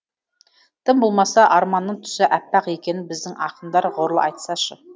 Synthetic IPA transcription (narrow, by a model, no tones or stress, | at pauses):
t̪ʰɪmbo̞lˠmɑsɑʔɑɾmɑnːəɴt̪ʰʏ̥sɪʔæpːɑqe̞kʲe̞nɪbɪzd̪ɪŋʔɑ̰qənd̪ɑɾʁoɾlˠə̰ʔɑjt̪sɑʃə